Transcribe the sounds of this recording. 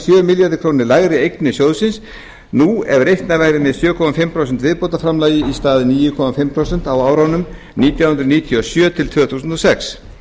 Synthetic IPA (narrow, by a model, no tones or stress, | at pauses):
sjœːmɪljaɾðɪkʰɾownɪɾlaɣɾɪejk̪nɪsjowðsɪns | nuɛvɾejht̪navajɾɪmɛðsjœːkʰɔmafɪmpʰɾows̬ɛnt̪vɪðpowt̪afɾamlaːjɪist̪aːðɪniːjʏkʰɔmafɪmpʰɾowsɛn̥t̪awaːwɾawnʏm | niːt̪jawhʏnɾʏðniːt̪ʰjiɔsjœːt̪ʰɪlt̪ʰv̥œːθuːsʏnt̪ɔsɛks